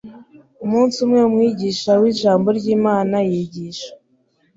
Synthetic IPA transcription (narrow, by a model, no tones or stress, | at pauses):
umuːnsumŋe̞umŋiːɟiʃawiːʒaːmbo̞ɾɟiːmaːnajiːɟiːʃḁ